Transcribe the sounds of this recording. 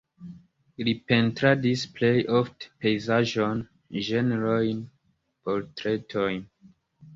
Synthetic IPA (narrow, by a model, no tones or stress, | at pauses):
lipe̞ntɾadisple̞jʔofte̥pe̞jzaʒo̞n | ʒeneɾojn | po̞ɾtɾe̞tʰojn